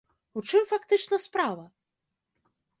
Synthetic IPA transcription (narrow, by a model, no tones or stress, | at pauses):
ut͡ʂɨmfakt̪ɨt͡ʂnɐspɾavɐ